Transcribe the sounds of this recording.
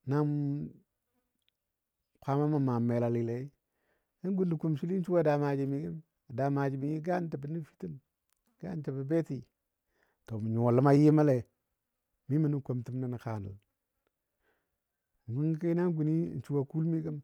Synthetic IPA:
na˦m | kʰʷa˦ma˦ma˨ma˨me˨la˨li˨le˨i˦ | na˦ŋ˦ɡu˦n˦li˨ku˨mʃi˦li˦n̩˦t͡ʃu˦wa˦˨da˨ma˨d͡ʒi˨mi˨˦ɡi˦m | a˨da˨ma˨d͡ʒi˨mi˨ji˦ɡa˦nta˨bi˨˦ni˦fi̥˦ti˦m | ɡ̥a̰˦n˦ta˨bi˨be˦ti˨ | to˨mi˨ɲo˨lə˦ma˦ji˦ma˦le˨ | mi˦mi˨ni˦ko˨mti˦mna˦˨ni˨ka˨nə̰˨l | ŋ˨ɡu˦ŋ˦ka˦na˦ŋ˦ɡu˨ni˦˨n̩˨˦t͡ʃu˦wa˨ku˦lmi˦ɡə˦m

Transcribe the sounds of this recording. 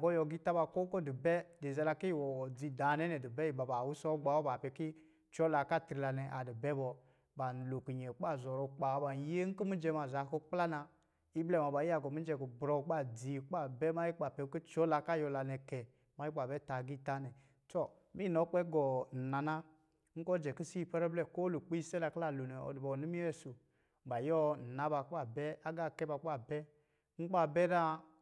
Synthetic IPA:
ɡɔ˦jɔ˧˨ɡi˦ta˦ba˨ko˦kɔ˦di˨bɛ˦de˨zɛ˨˧la˧ki˦˨wɔ˨d͡zi˧da˨˦nɛ˦nɛ˨di˨bɛ˦i˨ba˨ba˨wu˦sɔ˦ɡ͡ba˨˦wɔ˦ba˨pɛ˨˧ki˦ | t͡ʃɔ˦la˧ka˦˨tɾi˨˧la˧nɛ˨ʔa˨di˨bɛ˦bɔ˧ | ba˨n̩˨lo˨ki˨ɲɛ˨k͡pa˦˨zɔ˨ɾo˧k͡pa˨˦ba˨˦je˦ŋ̩˦ki˦mi˦d͡ʒɛ˧ma˨za˨ko˦k͡pla˦na˧ | i˦blɛ˦˨ma˨ba˨i˦a˨ɡɔ˨mi˦d͡ʒɛ˧˨ɡo˨bɾɔ˧˦k͡pa˦˨d͡zi˨k͡pa˦˨bɛ˦ma˦i˦k͡pa˨pɛ˨˦ki˦t͡ʃɔ˦la˧ka˦˨jɔ˧la˧nɛ˧kɛ˨ | ma˦i˦k͡pa˨bɛ˦ta˨ɡi˦˨ta˦nɛ˨ | tɔ˦˨ | mi˦˨nɔ˨˦k͡pɛ˦ɡɔ˨na˨na˦ | ŋ̩˦kɔ˦d͡ʒɛ˨ki˦si˦˨pɛ˦ɾɛ˦blɛ˦ko˦lu˨k͡pi˦i˦sɛ˦la˨kla˦˨lu˨nɛ˨ɔ̰˨di˨bɔ˨ni˦mi˦ɛ˦˨su˨ | ba˨jɔ˦˨na˨˦ba˨ka˦˨bɛ˦a˦ɡa˦˨kɛ˦ba˨k͡pa˦˨bɛ˦ | ŋ̩˦k͡pa˦bɛ˦ɾa˦

